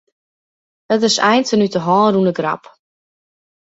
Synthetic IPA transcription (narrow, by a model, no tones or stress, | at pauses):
ətɪsɛ̰jntənytəɦɔːɾunəɡra̰p